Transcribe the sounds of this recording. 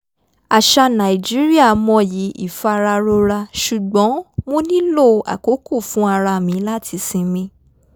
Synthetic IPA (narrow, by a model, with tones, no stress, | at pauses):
a˨ʃa˧nã˨i˨d͡ʒi˨˦ɾi˦a˦˨mɔ̃˧ji˨˦ḭ˦˨fa˧ɾa˧ɾo˧ɾa˧ʃu˨ɡ͡bɔ̃˨˦mõ˦nĩ˦lo˦˨a̰˨ko˨˦ku˦˨fũ˨˦a˧ɾa˧mĩ˨˦la˦tʰi˧˦sĩ˧mĩ˧˦